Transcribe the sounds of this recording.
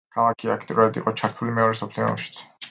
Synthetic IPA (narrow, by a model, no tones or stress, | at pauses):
kʰalˠakʰia̰kʰt̪ʼiɾuɾad̪ḭqʼɔt͡ʃʰaɾt̪ʰulimɛɔɾɛsɔpʰliɔ̰ʃi̥t̪sʰ